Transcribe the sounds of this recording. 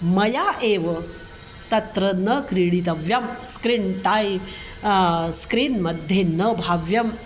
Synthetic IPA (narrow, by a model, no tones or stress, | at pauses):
mɐjaʔeʋə | t̪ɐt̪ɾənəkɾiɽit̪̬ɐʋjɐmskɾinʈaj | skɾiːnməd̪ʱjenəbʱaʋjɐm